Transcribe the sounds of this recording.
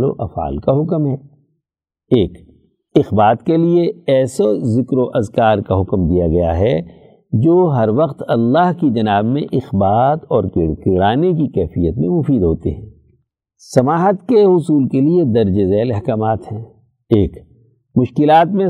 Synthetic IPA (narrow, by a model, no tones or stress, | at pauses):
lo̰ʔɐ̰fa̰ːlkaɦʊkmɦɛː | eːk | ɪxbaːt̪kelieɛːsozɪkɾoʔɐzkaːɾkaɦʊkmd̪ijaɡɐja̰ɦɛ | d͡ʒoːɦɐɾʋɐqt̪ɐlːaːɦkid͡ʒɐnaːbmḛ̃ʔɪxbaːt̪ɔːɾkkɪɽaːnek̬ikɛːfijət̪mḛ̃mʊfiːd̪ɦoːt̪ḛɦɛ̃ː | sɐmaːɦət̪keɦʊsuːlkelied̪ɐɾd͡ʒezɛːlɐɦkaːmaːt̪ɦɛ̃ː | eːk | mʊʃkɪlaːt̪mẽ